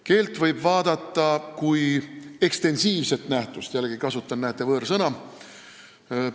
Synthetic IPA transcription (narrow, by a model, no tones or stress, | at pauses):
ke̞ːlt̪vɤjbvɑːd̪̥ɑt̪ːˑɑkuje̞kst̪e̞nsiːvse̞t̪næht̪ust̪jælːɡikɑsut̪ːˑɑnːæːt̪ːˑevɤːɾsɤnɑ